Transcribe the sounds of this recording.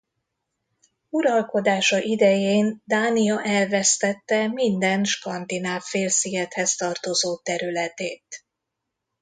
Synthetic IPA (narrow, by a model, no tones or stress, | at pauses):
uɾɒlko̞d̪aːʃɒʔid̪ɛjeːnd̪aːniɒʔɛlvɛst̪ɛt̪ːɛmind̪ɛnʃkɒnd̪inaːbfeːlsijɛt̪hɛst̪ɒrt̪o̞zoːt̪ɛɾylɛt̪eːt̪